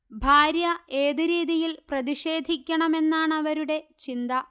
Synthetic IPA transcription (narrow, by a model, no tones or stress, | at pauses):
bʱaːɾjɐe̞ːðɨɾiːðijilprɐðiɕe̞ːd̪ʱikʲːɐɳɐme̞nːaːɳɐʋɐɾuɽe̞t͡ɕind̪ɐ